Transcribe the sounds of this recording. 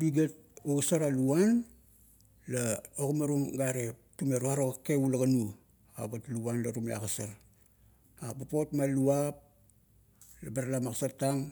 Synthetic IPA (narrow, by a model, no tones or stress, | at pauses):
biɡat̚usaɾaluan | laokumaɾumɡaɾetumeɾuaɾokːeulaɡanu | abatluanlaɾumea̰kasaɾ | abapotmaluap̚ | labeɾalamakasataŋ